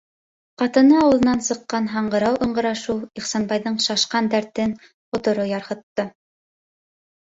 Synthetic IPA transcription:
qɑt̪ɤ̆nɤɑwɤ̆lˠɤ̆nɑnsɤ̆qːɑnɦɑɴɢɤ̆ɾɑwʔɤ̆ɴɢɤ̆ɾɑʃuwiχsɑnbɑjðɤɴʃɑʃqɑnd̪æɾt̪ɘn | qŏt̪ŏɾojɑɾhɤ̆t̪ːɤ

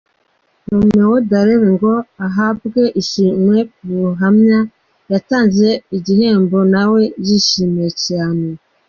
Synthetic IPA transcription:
nomewodaɾeɾeŋɡoaɦab̚ɡeʔiʃimwekuɦamɲa | jataːnzeiɟiheːmbonaweɟiʃimeciame

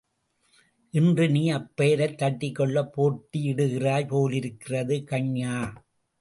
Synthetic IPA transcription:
ʔɪndrɯniːɐpːeːɾɐɪt̪ːɐʈːɪkːɔɭːɐpːoːʈːiɪɽɯɣɪraːjpoːlɪɾɯkːɪrɐðɯkɐɲjaː

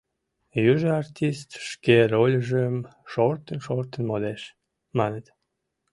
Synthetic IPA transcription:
jyʒəart̪ʲist̪ʃkerolʲəʒəmʃort̪ənʃort̪ənmod̪eʃ | mɑnət̪

